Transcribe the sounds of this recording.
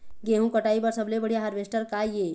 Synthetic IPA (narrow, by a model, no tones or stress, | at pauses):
ɡeɦũkəʈaibəɾsəblebəɽ̤ijaɦəɾʋesʈəɾkaje